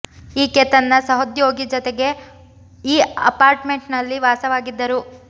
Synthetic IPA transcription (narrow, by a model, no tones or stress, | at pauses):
iːkɛt̪ɐnːɐsɐɦod̪joːɡid͡ʒɔt̪eɡe̞ | iːɐ̰paːɾʈme̞ɳʈnɐlːiʋaːsɐʋaːɡid̪ːɐɾu